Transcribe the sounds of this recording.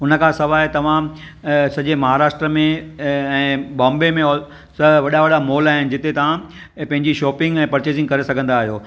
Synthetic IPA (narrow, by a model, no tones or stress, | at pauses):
ʊnə̆kʰãsɐʋaːet̪ɐʋ̤ã | sɐʄemɐɦaːɾaːʃʈɾəmẽɛ̃ːbɔ̃ːmbemẽ | sɐʋɐɗaʋɐɗamoːlaːɦɪnɪ̆d͡ʑɪt̪et̪ɐʋ̤ã | pɐ̃ɦɪ̃ɲd͡ʑiʃɔːpɪ̃ŋɡɛ̃ːpɐɾt͡ɕeːzɪ̃ŋɡ̚kɐɾesɐɡʱə̃nd̪aːɦijoː